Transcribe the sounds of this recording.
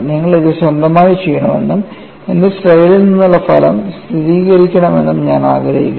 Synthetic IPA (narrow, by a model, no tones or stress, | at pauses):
niŋːɐɭiðɨɕwɐnd̪ɐmaːjit͡ɕːejːɐɳɐmḛɳːɨm | end̪esʈrɐjɐlilninːuɭːɐfɐlɐ̰mst̪ʰiðiːɣɐɾikʲːɐɳɐme̞̰nːumɲaːna̰ːɡɾɐjikːɐ